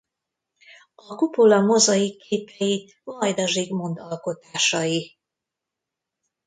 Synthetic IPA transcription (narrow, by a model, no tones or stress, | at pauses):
ɒkupolɒmo̞zɒjikeːpɛji | vɒjd̪ɒʒiɡmo̞nd̪ɒlko̞t̪aːʃɒji